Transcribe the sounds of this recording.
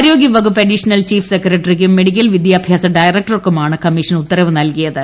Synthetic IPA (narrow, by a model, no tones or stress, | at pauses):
ɾo̞ːɡiʋɐɡupeɖiʂɐnɐlt͡ɕiːfsekːɐɾɐʈːɐrikːumːeɽik̬ʲːɐlʋid̪jaːbʱjaːsɐɖɐjrɐk̚ʈɐrkumaːɳɨkɐmːiʂɐnut̪ːɐɾɐʋɨnɐlkijɐðɨ